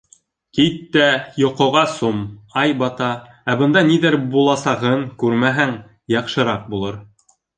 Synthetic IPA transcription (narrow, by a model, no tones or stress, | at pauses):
kit̪ːæjŏqŏʁɑsumɑjbɑt̪ɑ | æbɤ̆nd̪ɑniðɘɾbulˠɑsɑʁɤŋkʉɾmæɦæŋ | jɑqʃɤ̆ɾɑq̚bulˠɤɾ